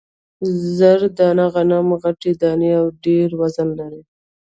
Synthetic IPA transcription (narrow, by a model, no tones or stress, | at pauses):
zəɾd̪ɑnaɣanamɣaʈed̪ɑneawɖeɾwazanlaɾi